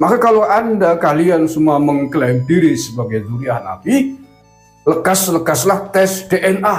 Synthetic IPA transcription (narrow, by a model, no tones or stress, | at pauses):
makakaloʔandakaliansumaməŋklɛmdiɾisəbaɡajmuniaɦna̰pi | ləkasləkaslaht̪ɛsd̥eʔɛnʔa